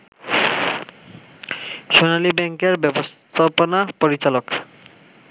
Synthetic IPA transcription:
ʃonalibɛŋkeɾbɛbost̪ʰaponapoɾit͡ɕalok

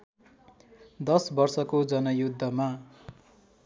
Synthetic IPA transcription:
d̪ʌsbʌrsʌkod͡zʌnʌjud̪ʱːʌma

